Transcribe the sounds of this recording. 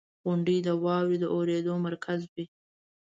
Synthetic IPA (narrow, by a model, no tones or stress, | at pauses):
ɣʊɳɖəjd̪əwɑwɾid̪əʔoɾed̪omaɾkʰazwi